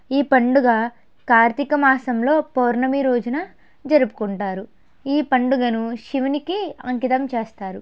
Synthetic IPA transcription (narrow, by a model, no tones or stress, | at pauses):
iːpɐɳɖuɡɐ | kaːɾt̪ikɐmaːsɐmlo̞ːpɐːɾnɐmiɾoːd͡ʒunɐ | d͡ʒɐɾupu̥kuɳʈaːɾu | iːpɐɳɖuɡɐnuʃiʋinikiɐŋkit̪ɐmt͡ʃeːst̪aːɾu